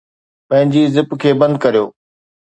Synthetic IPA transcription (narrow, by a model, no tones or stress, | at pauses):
pɐ̃ɦɪ̃ɲd͡ʑiːzɪpkʰeːbɐ̃nd̪̚kɐɾijoː